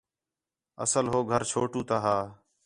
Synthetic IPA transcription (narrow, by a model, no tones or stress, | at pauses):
ə̰səlɦoːɡʱəɾt͡ʃʰoːʈũːt̪aːɦaː